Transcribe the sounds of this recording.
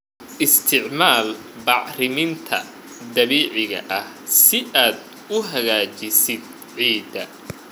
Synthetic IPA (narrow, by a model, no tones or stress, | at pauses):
ʔɪst̪ʰɪʕmaːl | bɑʕrɪmɪnt̪ʰɐ̰ | d̪ɐβiːʕɪɣɐ̰ʔɐh | sɪʔaːd̪ | ʊɦɐɣaːt͡ʃɪsɪd̪̚ | ʕiːd̪ɐ